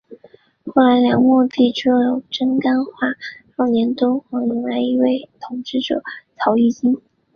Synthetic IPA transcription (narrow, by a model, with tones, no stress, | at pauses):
xo˥˩la˧˥ɪljɑ˧˥ŋmɔ˥˧t̪i˥˩ʈ͡ʂu˥˩jo˨˩ʊʈ͡ʂə˥nka˥nxwa˥˩ʂɑ˥˩ʊnjɛ˧˥nt̪o˥ʊxɑ˧˥ŋi˧˥ŋla˧˥ɪi˧˥we˥˩ɪt̪ʰʊ˧˥ŋʈ͡ʂɻ̩˥˩ʈ͡ʂɤ̰˨˩t͡sʰɑ˧˥ʊi˥˩t͡ɕi˥n